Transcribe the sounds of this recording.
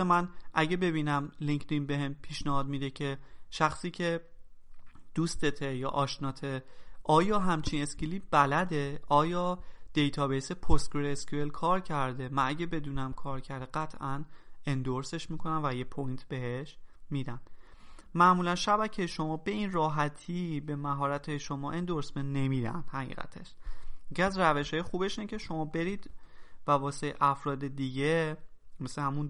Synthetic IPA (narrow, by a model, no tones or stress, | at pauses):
mænʔæɟe̞be̞biːnæmliŋkʰd̪inbe̞ɦempʰiːʃnehɒːd̪mid̪e̞cʰeʃæxsiːcʰe̞ | d̪̥uːst̪et̪ʰejɒːʔɒːʃnɒːt̪ʰeʔɒːjɒːɦæmt͡ʃʰiːne̞skiliːb̥ælæd̪e̞ɒːjɒːd̪̥e̞jt̪ʰɒːbesepʰost̪̚ɡɾeeskuelkʰɒːɾcʰæɾd̪e̞mænʔæɟebe̞d̪uːnæmkʰɒːɾcʰæɾd̪eɢæt̪ʰʔæne̞nd̪oɾse̞ʃmiːkʰonænvæje̞pʰojnt̪ʰbeheʃmiːd̪ænd̪̥ | mæmuːlænʃæbæcʰeʃo̞mɒːbe̞inrɒːɦæt̪ʰiːbe̞mæɦɒːɾæt̪ʰejeʃo̞mɒːʔe̞nd̪oɾsmenːe̞miːd̪æ̰nd̪̥hæɣḭːɣæ̰t̪ʰe̞ʃecʲʰiæzræve̞ʃhɒːjexuːbe̞ʃiːnecʰe̞ʃo̞mɒːbe̞ɾiːd̪̥vævɒːse̞ʔæfɾɒːd̪e̞d̪iːɟe̞ | mesehæmun